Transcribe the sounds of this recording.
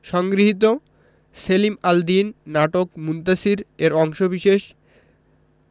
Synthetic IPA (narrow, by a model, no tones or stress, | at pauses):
ʃɔŋɡɾiɦit̪̬o | selimald̪inːaʈokmunt̪asiɾeɾɔŋʃobiʃeʃ